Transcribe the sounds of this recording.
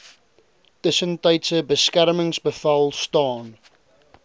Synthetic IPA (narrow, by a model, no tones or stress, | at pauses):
təsə̃ntaɪtsəbəskæɾəmə̃ŋsbəfɐlˠstɑːn